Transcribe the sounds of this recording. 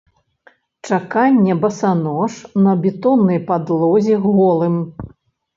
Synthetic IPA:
t͡ʂakanʲːɛbɐsanɔʂnɐbʲɛt̪ɔnːɐjpad̪lˠɔzʲiɣɔlˠɨm

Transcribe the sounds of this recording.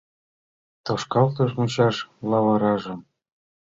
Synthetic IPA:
t̪ɤʃkɑlt̪ɤ̆ʃmut͡ɕɑʃlɑβɤɾɑʒɤ̆m

